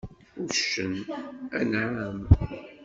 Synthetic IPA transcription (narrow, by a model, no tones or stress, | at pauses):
ʊɾʃənænʕam